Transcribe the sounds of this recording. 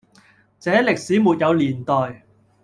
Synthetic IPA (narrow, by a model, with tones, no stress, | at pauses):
t͡sɛː˨˥lɪ˨k̚siː˨˥muː˨t̚jɐ˨˧wliː˨˩nt̪ɔː˨˩j